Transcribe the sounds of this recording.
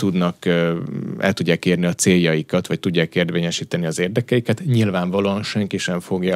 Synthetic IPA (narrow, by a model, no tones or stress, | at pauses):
t̪ud̪nɒk | ɛ̰lt̪uɟːaːkeːrniɒt̪seːjːɒjikɒt̪ʋɒct̪uɟːaːkeːrd̪ʋeːɲɛʃiːt̪ɛniɒzeːrd̪ɛkɛjikɛt̪ɲilvaːɱvɒloːɒnʃɛŋkiʃɛɱfo̞ɡjɒ